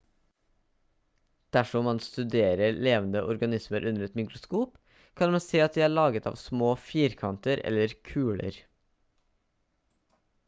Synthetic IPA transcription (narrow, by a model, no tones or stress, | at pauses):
d̪̥æʃɔmɑnst̪ʉd̪eːɾəleːʋən̩d̪əʔɔɾɡɑnɪsməɾʔʉnəɾɛt̪mɪkɾʊskuːp | kʰɑnmɑnseːɑt̪̚d̪iːæːɭɑːɡət̪ʰɑ̰ːʋsmoːfiːɾkʰɑnt̪əɾɛ̰ləɾkʰʉːɭə̰ɾ